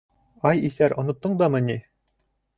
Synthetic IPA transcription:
ɑjiθæɾʔŏnŏt̪ːɤɴd̪ɑmɘ̆nʲi

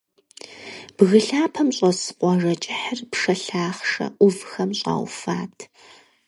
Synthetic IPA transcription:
b̥ɣɨɬaːpʰɐmɕʼɔsɨ̥qʷʼɔʐɐt͡ʃʼɪħərpʂɐɬaːχʂɐ̰ʔʷʊvxɐmɕʼɑ̰ːwfaːtʰ

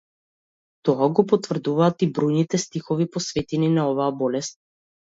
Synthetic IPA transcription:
t̪ɔaɡɔpɔt̪vr̩d̪uvaːt̪ibɾɔjnit̪ɛst̪ixɔvipɔsvɛt̪ɛninaɔvaːbɔlɛst̪̚

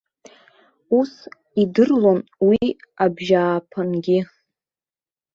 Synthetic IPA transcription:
us | idɨrlo̞nwiabʒaːpʰanɡʲɪ

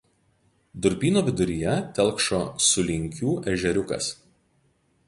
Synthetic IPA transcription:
d̪ʊɾʲpʲiːnoːʋʲɪd̪ʊɾʲɪjɛt̪ʲɛlʲˠkʃoːsʊlʲɪŋʲkʲuːʔɛʒʲɛɾʲʊkɐ̰s

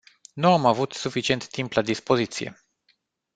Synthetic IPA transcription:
nuamavut̪sufit͡ʃie̞nt̪ːimplad̪ispo̞zit̪sije̞̰

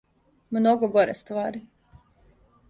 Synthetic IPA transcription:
mnɔɡɔbɔɾɛst̪vaːɾi

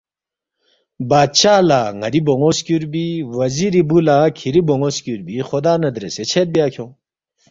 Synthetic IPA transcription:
baːd̪̚t͡ɕaːlaːŋɐɾiboŋoskuɾbiwɐziɾibulakʰiɾiboŋoskʲuɾbixod̪aːnɐd̪ɾeset͡ɕʰet̪̚bjaːkʰjõ

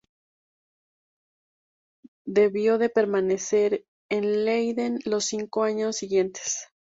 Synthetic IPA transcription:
d̪e̞βjo̞ðe̞pe̞ɾmane̞se̞ɾ | enlejðenlo̞siŋko̞aɲo̞sːiɣje̞nt̪e̥s

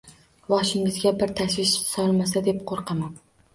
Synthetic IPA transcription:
bɒʃɪŋɪzɡʲabɪɾt̪ʰaʃvɪʃsɒlˠmasad̪e̞p̚qʰoɾqʰɑman

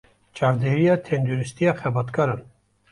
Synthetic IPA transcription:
t͡ʃʼɑːɾd̪eɾijɑːt̪ʰɛnd̪uɾist̪ijɑːxɛbɑt̪kʰɑɾɑn

